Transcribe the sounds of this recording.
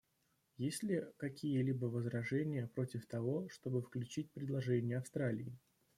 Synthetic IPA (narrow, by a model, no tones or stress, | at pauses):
jesʲlʲɪkɐkʲijəlʲibəvəzɾɐʐɛnʲɪjəpɾo̞tʲɪft̪ɐvo̞ʂt̪o̞bɨfklʲʉt͡ɕit̚ʲpɾʲɪd̪lˠɐʐɛnʲɪjəɐfst̪ɾalʲɪː